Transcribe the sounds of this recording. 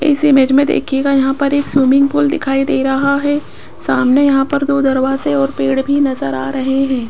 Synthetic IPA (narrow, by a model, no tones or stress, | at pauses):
ɪ̰sɪmeːd͡ʒmẽd̪ḛːkʰieɡajɐɦãpɐɾeːksuːmɪ̃ŋɡ̚pʊld̪ɪkʰaːid̪eːɾɐɦaɦɛ | saːmnejɐɦãpɐɾd̪oːd̪ɐɾʋaːzeɔːɾpeːɽbʱinɐzəɾa̰ːɾɐɦeɦɛ̃ː